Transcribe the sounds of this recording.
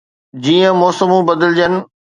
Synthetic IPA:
d͡ʑiːə̃mɔːsəmũbɐd̪əld͡ʑənɪ̆

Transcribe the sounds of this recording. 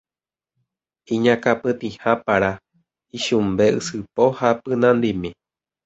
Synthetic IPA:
ĩɲãkapɨt̪ĩhãpaɾa | iʃumbeɨ̰sɨpohapɨnãnd̪imĩ

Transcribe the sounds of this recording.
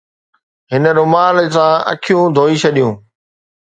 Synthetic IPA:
ɦɪnə̆ɾʊmaːlsãɐ̰kʰijũd̪ʱoːit͡ɕʰɐɗijũː

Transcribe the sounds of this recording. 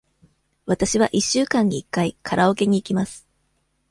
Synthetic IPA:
βat̪aɕiβaʔiɕːɨːkãɲ̟iːkːaikʰaɾʔao̞ke̞ɲ̟iːkʲimasɨ̥

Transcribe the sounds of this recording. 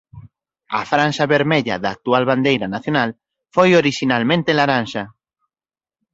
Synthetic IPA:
a̰fɾanʃaβeɾmeʎa̰ðaːk̚t̪ualβand̪ejɾɐnaθjonal | fojoɾiʃinalmẽnt̪elaɾanʃa

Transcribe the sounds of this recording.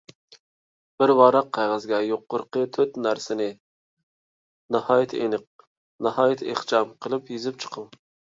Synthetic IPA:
b̥ɪɾwɑɾɑqʰːɑjʁəzɡʲɛjoqːʊɾqət̪ʰøt̪næɾsɪnɪ | nɑhɑːjɪt̪ʰenɨq̚ | nɑhɑːjɪt̪ʰeχt͡ʃɑmqʰəlˠɨpjizɪp̚t͡ʃʰə̥qʰəŋ

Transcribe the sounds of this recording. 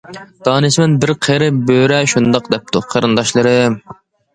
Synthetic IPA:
d̪̥ɑːnɨsmɛnbɪɾqʰeɾɨbøɾɛʃund̪ɑq̚d̪ɛp̚t̪ʰuqʰəɾɨnd̪ɑʃlˠɨɾɨ

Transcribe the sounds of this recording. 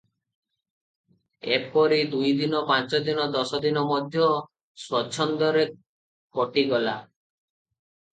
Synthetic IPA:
epɔɾid̪ujd̪inɔpãt͡ʃɔd̪inɔd̪ɔsɔd̪inɔmɔd̪ʱjɔ | swɔt͡ʃʰɔnd̪ɔɾe | kɔʈiɡɔla

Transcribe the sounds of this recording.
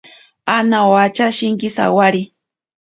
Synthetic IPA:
anawat͡ʃaʃɪŋkɪsa̰waɾi

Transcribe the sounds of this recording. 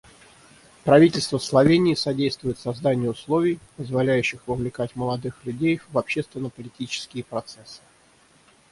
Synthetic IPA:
pɾɐvʲitʲɪlʲst̪vəslˠɐvʲenʲɪːsɐdʲejst̪vʊjɪt̪sɐzd̪anʲɪjəʊslˠo̞vʲɪjpəzvɐlʲæjʉɕːɪxvəvlʲɪkatʲməlˠɐd̪ɨxlʲʉdʲejvɐpɕːest̪vʲɪnːəpəlʲɪtʲit͡ɕɪ̥skʲɪjəpɾɐt̪sɛsɨ̥

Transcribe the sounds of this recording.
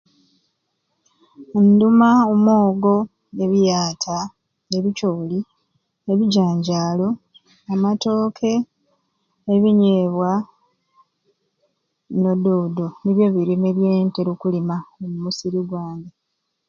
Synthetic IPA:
ndumaomwo̞ːɡo̞ | eβijaːtʰa | eβicoːli | eβiɟaːɲɟaːlo̞ | amato̞ːkʰe̞ | βiɲeːβwa | no̞doːdoniβjo̞ːβiɾimeβjeːnteɾukulimaomumusiɾiɡwaːnde

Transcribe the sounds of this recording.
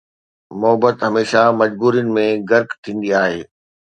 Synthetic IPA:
mʊɦəbət̪ɦɐmeːʃamɐd͡ʑbuːɾijənɪ̆mẽɡɐɾkt̪ʰĩːn̆d̪iaːɦeː

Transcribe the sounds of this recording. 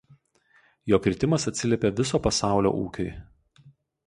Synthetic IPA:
joːkɾʲɪt̪ʲɪmɐsɐt̪ʲsʲɪlʲɛpʲeʋʲɪs̬oːpɐsɑˑʊlʲo̰ʔṵːkʲo̰ɪ

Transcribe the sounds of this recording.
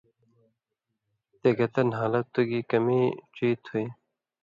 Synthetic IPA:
t̪eɡɐt̪ɐnɦaːlɐt̪ːuɡiːkɐmit͡ɕiːt̪ʰui

